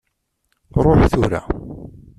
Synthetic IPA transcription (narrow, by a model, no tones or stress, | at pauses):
ɾˤoħθʊɾa̰